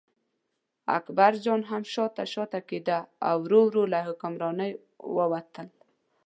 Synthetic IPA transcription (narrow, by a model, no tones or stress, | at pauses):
a̰kbaɾd͡ʒɔnɦamʃɔt̪aʃɔt̪aked̪aa̰wɾowɾolaɦʊkʊmɾɔnəj | wəwat̪əl